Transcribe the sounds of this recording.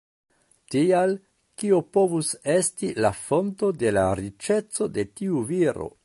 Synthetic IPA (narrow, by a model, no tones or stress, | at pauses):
tial | kiopo̞vuse̞stilafo̞nto̞de̞laɾit͡ʃe̞t͡so̞de̞tiuviɾo̞̰